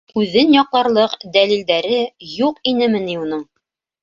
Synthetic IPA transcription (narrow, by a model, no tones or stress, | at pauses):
ʉðɘnjɒqlˠɑɾlˠɤqd̪ælild̪æɾɘjuqinɘmɘ̆niunɤɴ